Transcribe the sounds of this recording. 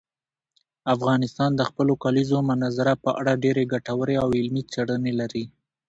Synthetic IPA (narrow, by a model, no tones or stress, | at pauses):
afɣɑnɪst̪ɑnd̪əxpəlokɑlizomʊnazaɾapəʔaɽaɖeɾeɡaʈawəɾeawɪlmit͡seɽənelaɾi